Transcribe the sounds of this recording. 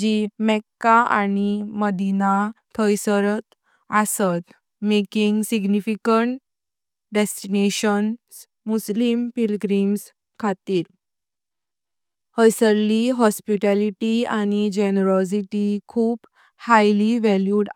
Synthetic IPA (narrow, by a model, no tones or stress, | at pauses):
d͡ʑimɛkːaa̰niməd̪inat̪ʰəjsəɾət̪ | əsət̪ | mekiŋɡsiɡnifikəɳʈ | ɖesʈineɕəns | muslimpilɡɾims | kʰat̪iːɾ | həjsəɾliɦɔspiʈaliʈiañid͡ʑenəɾɔs̬iʈikʰuːb | hajliʋɛljuɽ